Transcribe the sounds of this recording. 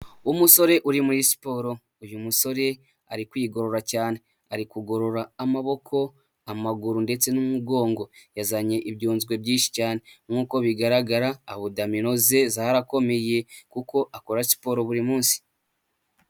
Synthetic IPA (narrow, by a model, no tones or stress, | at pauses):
umuso̞ɾe̞ʔuɾimuɾisi̥po̞ɾo̞ | ujumuso̞ɾe̞ | a̰ɾikwiːɡo̞ɾo̞ɾacaːne̞ | aɾikuɡo̞ɾo̞ɾaːmaβo̞kʰo̞ | amaɡuɾunde̞t͡se̞numuɡo̞ːŋɡo̞jazaɲe̞ʔibɟoːnzɡwe̞bɟiːnʃi̥caːne̞mŋuːko̞βiɡaɾaɡaɾaːβudamino̞ze̞zaɾako̞me̞je̞kuko̞ʔakoɾasi̥po̞ːɾo̞βuɾimuːnsi̥